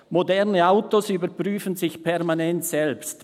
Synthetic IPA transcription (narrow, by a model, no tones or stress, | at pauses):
modɛʁnəaʊtosyːbəpʁyːfən̩zɪçpʰɛʁmanɛntsɛlpst